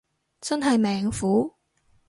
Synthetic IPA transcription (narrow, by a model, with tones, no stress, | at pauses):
t͡sɐ˥nɦɐ˨jmɛː˨ŋfuː˨˥